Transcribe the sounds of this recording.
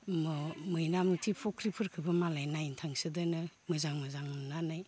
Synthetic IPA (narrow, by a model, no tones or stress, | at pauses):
mɯmɯjnamnitʰipʰɔkʰɾipʰɯɾkʰɯbɯmalajnajintʰaŋsɯdanɯmɯzaŋmɯzaŋnanaj